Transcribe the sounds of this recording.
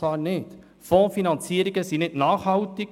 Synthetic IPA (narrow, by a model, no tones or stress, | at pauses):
ɑːrnɪt | fɔ̃ːfinɑnt͡siəɾiɡəsinɪtnɑːχhɑwtɪk